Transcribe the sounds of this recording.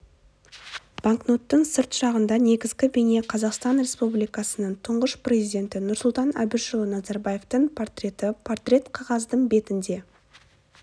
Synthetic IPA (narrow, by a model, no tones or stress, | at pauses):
b̥aŋkno̞t̪ːəɴsəɾt̪ʃɑʁənd̪ɑne̞ɡʲɪzɡʲɪbene̞qʰɑzɑqst̪ɑnɾʲe̞spublijkɑsənəɴt̪ʰʊɴʁəʃprʲe̞zijd̪ʲe̞nt̪ɪnʊɾsʊlˠt̪ɑnæ̰bɪʃolˠənɑzɑɾbaje̞ft̪əɴpʰo̞rt̪rʲe̞t̪ɪpʰo̞rt̪rʲe̞t̪qʰɑʁɑzd̪əɴbe̞t̪ɪnd̪e̞